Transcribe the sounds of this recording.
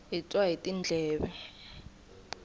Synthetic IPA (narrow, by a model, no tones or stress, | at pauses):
it͡sʼwaɦitʼind͡ɮʱɛːɓɛ